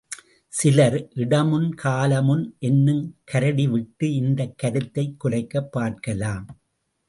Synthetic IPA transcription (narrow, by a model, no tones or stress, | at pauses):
sɪlɐɾʔɪɽɐmɯnkʰaːlɐmɯnʔɛnːɯmkʰɐɾɐɽiʋɪʈːɯɪnd̪ɐkːɐɾɯt̪ːɐɪkːʊrɐɪkːɐpːaːɾkɐlaːm